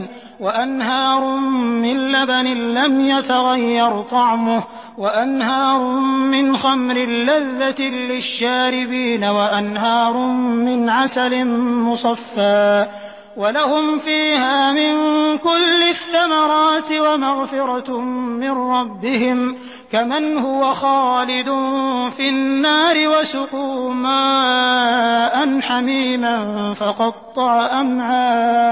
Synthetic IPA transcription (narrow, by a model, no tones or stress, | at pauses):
waʔanɦɑːɾˤʊːɪnlabanɪlamjat̪aɣajːɑɾˤt̪ˤɑʕmʊh | waʔanhɑːɾˤʊmɪnxamɾɪlːaðːat̪ɪlɪʃːaːɾɪbiːnawaʔanɦɑːɾˤʊmɪnʕasalɪnmʊsˤɑfːaː | walahʊmfiːhaːmɪŋkʊlːɪθːamɑɾˤɑːt̪ɪwamaɣfɪɾˤɑmɪnɾɑbːɪɦɪm | kamanhʊwaxɑːlɪd̪ʊnfɪnːaːɾɪwasʊkuːmaː | ʔanħamiːmanfɑqɑt̪ˤːɑʕaʔamʕaː